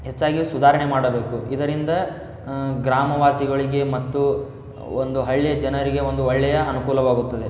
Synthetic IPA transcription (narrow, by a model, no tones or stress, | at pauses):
ɦe̞t͡ʃːaːɡisud̪ʱaːɾɐɳe̞maːɽɐbe̞ːkuid̪ɐɾind̪ɐ | ɡɾaːmɐʋaːsiɡɐɭiɡe̞mɐt̪ːu | o̰nd̪uɦɐɭːijɐd͡ʒɐnɐɾiɡe̞o̞nd̪uɔɭːɛjɐɐnukuːlɐʋaːɡut̪ːɐd̪e̞